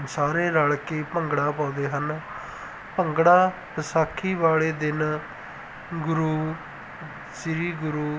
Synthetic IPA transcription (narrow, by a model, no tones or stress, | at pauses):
nsaːɾeːɾəɭkeːpəŋɡɽaːpãːd̪eːɦən | pəŋɡɽaːpəsaːkʰːiːʋaːɭeːd̪ɪn | ɡʊɾuː | sɪɾiːɡʊɾuː